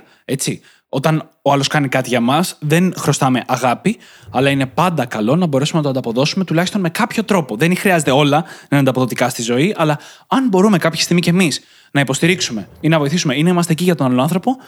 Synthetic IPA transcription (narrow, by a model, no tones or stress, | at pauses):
e̞t͡si | o̞t̪ɐn | oɐlo̞skɐnikɐt̪iʝɐmɐsðe̞nxɾo̞st̪ɐme̞ʔɐɣɐpi | ɐlɐine̞pɐnd̪ɐkɐlo̞nɐbo̞ɾe̞sumenɐt̪ɐnd̪ɐpo̞ðo̞sume̞t̪ulɐçist̪o̞nme̞kɐpço̞t̪ɾo̞po̞ðenixɾiɐze̞t̪e̞o̞lɐnɐɐnd̪ɐpo̞ðo̞t̪ikɐst̪izo̞iʔɐlɐɐnbo̞ɾume̞kɐpçist̪iɣmicemis | nɐipo̞st̪iɾiksume̞inɐvo̞iθisumeineimɐst̪eciʝɐt̪onɐloɐnθɾo̞po̞